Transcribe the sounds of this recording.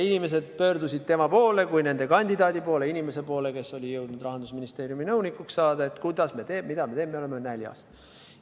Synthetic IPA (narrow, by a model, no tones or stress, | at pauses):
inime̞se̞d̪̥̚pø̞ːrd̪usʲid̪̚t̪e̞mɑpo̞ːle̞kujne̞nd̪e̞kɑnʲd̪id̪ɑːd̪ʲipo̞ːle̞inime̞se̞po̞ːle̞ke̞so̞lʲijɤwd̪nud̪rɑɦɑnd̪̥usminist̪e̞ːɾjuminɤwnikːˑuksːɑːd̪ɑe̞t̪kujd̪̥ɑsme̞t̪e̞ːmːmid̪̥ɑmet̪eːmːeole̞menælʲjɑ̰s